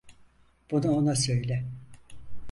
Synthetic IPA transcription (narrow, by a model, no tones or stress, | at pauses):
b̥unuonasø̞jlʲɛ